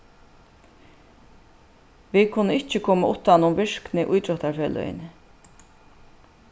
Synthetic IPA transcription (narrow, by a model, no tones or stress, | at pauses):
ʋikʰʊnːəɪt͡ʃɪkʰoːmaʔʊt̪ːanʊmvɪʂknɪʔujt̪ɾɔt̪aɾfœːlʏ̰jɪ̰n